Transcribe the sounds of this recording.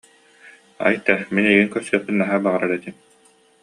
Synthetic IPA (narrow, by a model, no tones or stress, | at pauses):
a̰jt̪ɛminɛjɡiŋkœsyːtpinːaɦaːbaʁaɾaɾɛt̪im